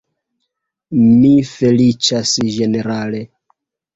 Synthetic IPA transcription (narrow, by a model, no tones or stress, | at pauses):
mife̞lit͡ʃasʒe̞ne̞ɾale̞